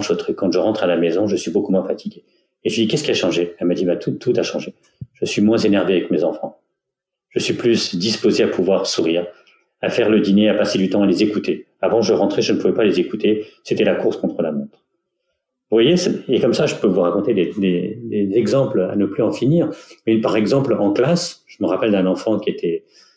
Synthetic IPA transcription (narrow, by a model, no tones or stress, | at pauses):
ʃot̪χykːɑ̃ʒəʁɑ̃t̪χalamezɔ̃ʒəsɥibokumwɛ̃fat̪ʰiɡʲeː | ʒəɥid̪ikʲɛskʲiaʃɑ̃ʒeamad̪ibat̪ʰut̪ʰut̪aʃɑ̃ʒe | ʒ̥əsɥimwɛ̃zenɛʁveavɛkmezɑ̃fɑ̃ | ʒ̥əsɥiplysd̪ispozeapʰuvwaʁsuʁiːʁ | afɛʁləd̪ineapased̪yt̪ɑ̃alezekut̪e | avɑ̃ʒəʁɑ̃t̪χɛʒənəpuvɛpalezekut̪eset̪ɛlakuʁskɔ̃t̪χəlamɔ̃t̪χ | vwajesɛekɔmsaʒəpøvuʁakɔ̃t̪ed̪ed̪ed̪ezɛɡzɑ̃pla̰nəplyɑ̃finiːʁmɛpaʁɛɡzɑ̃plɑ̃klasʒ̥əməʁapɛld̪ɛ̃nɑ̃fɑ̃kʲiet̪ʰɛ